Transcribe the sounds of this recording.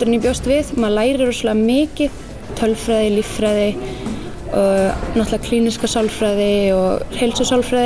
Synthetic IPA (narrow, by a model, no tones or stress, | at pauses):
t̪ʏɾɪnipjowst̪vɪðmaðlaːjɾɪɾɔsɔlaɣamɪːcɪð̥ | t̪ʰœlfɾaːjðɪlifɾajðɪ | ɔɣnat̪laakʰliːniskasawlfɾajðɪɔɣhejlsɔsawlfɾajð